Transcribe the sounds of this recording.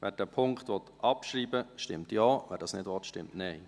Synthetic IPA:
ʋɛːɾd̥ɛpʰʊŋkχt̪ʋɔtʔɑpʃɾiːbəʃtɪmtjɑːʋɛːɾdɑsnɪdʋɔtʃtɪmtnɛɪ

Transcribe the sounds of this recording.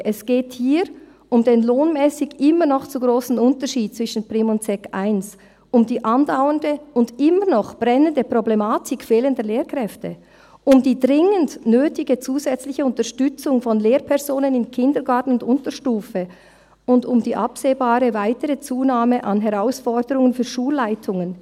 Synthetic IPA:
ʔɛsɡ̥eːthiːɾ | ʊmdeːnloːnmɛːsɪɡʔɪmənɔχt͡suɡʁoːsn̩ʊntəʃiːt̚t͡sv̥ɪʃn̩pʁɪmʊntt͡sɛkʔaɪns | ʔʊmdiːʔɑndaʊəndəʊndɪmənɔχb̥ɾɛnəndəpʁoblɛmaːtʰɪkfeːləndəleːɾkʁ̥ɛftə | ʔʊmdiːdʁɪŋəndnøːtɪɡət͡suːzɛt͡slɪçəʊntəʃtʏt͡sʊŋfɔnleːɾpʰɛɐʁzoːnənɪnkʰɪndəɾɡaɐtn̩ʊndʊntəʃtuːfə | ʊndʊmdiːʔapseːbaːɾəvaɪtəɾət͡suːnaːməʔɑnɦɛʁaʊsfɔʁdəɾʊŋənfyːʃuːlːaɪtʰʊŋən

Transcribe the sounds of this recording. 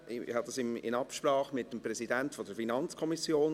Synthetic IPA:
hɑdɑsɪmɪ̰nɑpʃprɑːχmɪtːəmprɛsidɛntfod̥əɾfinɑnt͡skʰɔmisjoːn

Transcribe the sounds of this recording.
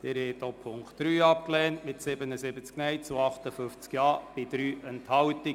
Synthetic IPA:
d̥̪ɪɾhɛɪt̪opʰʊŋktɾyːɑp̚klɛːntmɪtsɪbənəsɪbət͡sknɛjt͡suɑχtəfʏft͡skjɑːb̥ɪd̪̥ɾyːʔɛnthɑwti

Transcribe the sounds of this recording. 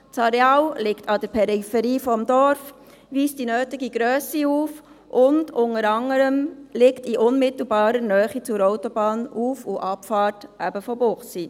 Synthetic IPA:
t͡sɑɾeɑːwlɪktʰɑd̥əɾpʰɛɾifɛɾiːfɔmd̥ɔɾf | ʋiːstd̥inøːtɪɡiɡɾœːsiuːf | ʔʊndʊnəɾɑŋəɾəmlɪktiʔʊnmɪtl̩bɑːɾənœːχit͡sʊɾɔʊtɔbɑːnuːfuʔɑpfɑːɾtʔæbəfɔbʊχsi

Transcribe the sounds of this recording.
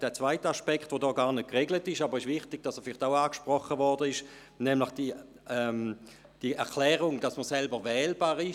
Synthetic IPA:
d̥ɛːt͡sv̥aɪtəaʃpɛkχtvodɔːɡaːɐnət̚kʁeɡlətɪʃɑbəʁɪʃvɪχtɪɡ̚d̥ɑsɛfɪlɪχtaʊaːkʃpʁɔχəvɔʁdəɪʃ | nɛmlɪχd̥i | ɛm | d̥iɛɐkʰlɛːʁʊŋd̥ɑsməsɛlbəʋɛːlbaːʁɪ

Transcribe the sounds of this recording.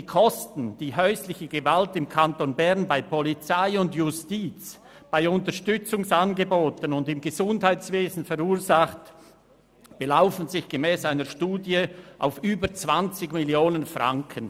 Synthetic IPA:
diːkʰɔstn̩d̥iːɦœʏslɪçəɡəvaltɪmkʰantonbɛʁnbaɪpʰɔlit͡saɪʊndjʊstiːt͡s | b̥aɪʊntəʃtʏt͡sʊŋsanɡəboːtənʊndɪmɡəzʊndhaɪt͡sveːzn̩fɛʁuːɐzaχt | b̥əlaʊfn̩zɪçɡ̥emɛːsaɪnəʃtuːdjəʔa̰ʊfyːbət͡sv̥ant͡sɪɡmɪljoːnənfʁa̰ŋkʰən

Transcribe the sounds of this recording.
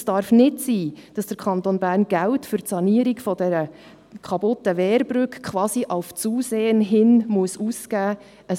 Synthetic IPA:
sd̥ɑɾfnɪtsiːd̥ɑsd̥əɾkʰχɑnt̪onbæːɾnɡ̥æwtfʏɾtsɑniəɾiɡfɔd̥ɛɾə | kʰɑbʊtːəʋɛːɾbɾʏkkʰʋɑːsiʔaʊft͡suːseːənɦɪnmuəsuːskæː | ʔə

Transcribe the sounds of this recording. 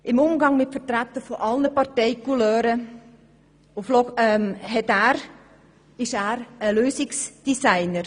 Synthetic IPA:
ʔɪmʊmɡɑŋmɪtfətɾætːəfɔʔɑlnəpɑɾtɛɪkulœːɾə | ʊflɔɛmɦɛtæːɾ | ɪʃæːɾəløːsɪksd̥isaɪnəɾ

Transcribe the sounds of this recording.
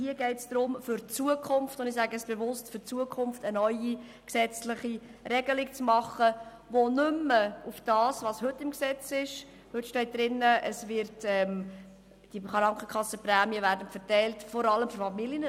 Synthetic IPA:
hiəɡɛɪtsd̥ɾʊmfʏɾt͡suəkʰʊmftʊndɪxsæɡəɛsb̥evʊstfʏɾt͡suəkʰʊmftənœʏi | ksɛt͡slɪχiɾɛɡəlɪk̚t͡smɑχːə | vonʏmːəufd̥ɑːsvɑːshɵtːɪmksɛt͡sɪʃ | hɵtʃtɛɪt̚d̥ɾɪnːəəsvɪɾtɛm | d̥iχɑɾɑŋkχəkʰɑsːəpræːmiəvæːɾdənfəɾtɛɪltfɔɾɑləmfʏɾfɑmiljənə

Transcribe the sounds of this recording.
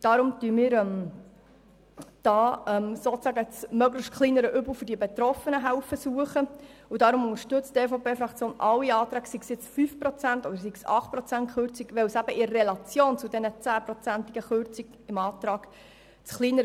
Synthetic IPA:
d̥ɑɾʊmt̪yəmiːɾɛm | d̥ɑːɛmsoːt͡sæɡət͡smœɡləʃtχliːnəɾəʔʏbl̩ˠfɵɾd̥iəbet̪ɾɔfənəɦæwfəsuəχəud̥ɑɾʊmʊnŋəɾʃtɵt͡steːfopʰeːfɾɑkt͡sjoːnʔɑwiɑːt̪ɾɑːɡ̥siɡsjɪt͡sfyfpɾɔt͡sænt̪ɔd̥̪əɾsiɡ̥sɑ̰χt̚pɾɔt͡sæntχøɾt͡siɡʋɛwsæbəʔɪːelɑt͡sjoːnt͡sʊd̪ɛnət͡sæːpɾɔt͡sænt̪iɡəχøɾrt͡siɡ | ɪmɑːt̪ɾɑːɡ̥ | t͡sχliːnəɾ

